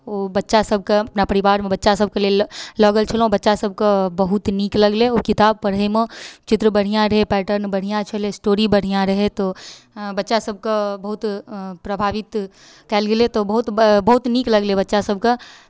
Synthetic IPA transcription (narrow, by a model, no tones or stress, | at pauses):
oːbɐtːʃasɐb̚ʱkaɐpnapɐɾɪʋaːɾmẽbɐtːʃasɐb̚kelielɔːɡəlt͡ʃʰɐlõbɐtːʃasɐb̚kabɐɦʊt̪niːklɐɡleokɪt̪aːb̚pɐɽɦemõt͡ʃɪt̪ɾəbɐɽ̤ijãɾɐɦepɛːʈəɾnbɐɽ̤ijãt͡ʃʰɐlesʈoːɾibɐɽ̤ijãɾɐɦet̪o | bɐtːʃasɐb̚kabɐɦʊt̪pɾɐbʱaːʋɪt̪ | kɛlɡɪlet̪obɐɦʊt̪bɐɦʊt̪niːklɐɡlebɐtːʃasɐb̚ka